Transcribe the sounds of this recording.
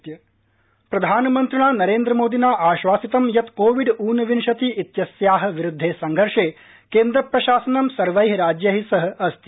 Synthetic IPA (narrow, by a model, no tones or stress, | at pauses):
jɐ | pɾɐd̪ʱaːnɐmɐnt̪ɾɐɳaːnɐɾeːnd̪ɾɐmoːd̪inaːʔaːʃʋaːsit̪ɐmjɐt̪koːʋiɖuːnɐʋinʃɐt̪iʔit̪jɐsjaːɦɐ̆ʋiɾud̪ʱːeːsɐŋɡʱɐɾʂeː | keːnd̪ɾɐpɾɐʃaːsɐnɐmsɐɾʋɐjɦɾaːd͡ʒjɐɦisɐɦɐ̆ɐst̪i